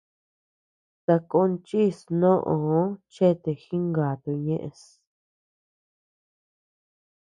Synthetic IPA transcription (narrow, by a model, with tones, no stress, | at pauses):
t̪a˧ko˧˦nt͡ʃi˦˨snõ˦ʔõ˨o˦t͡ʃe˦˨t̪e˧xi˦ŋɡa˨t̪u˧ɲẽ˦ʔḛ̃˧s